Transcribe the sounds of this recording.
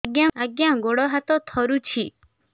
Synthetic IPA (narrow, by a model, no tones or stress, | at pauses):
ɡjaaɡjãɡoɽɔɦat̪ɔt̪ʰɔɾut͡ʃʰi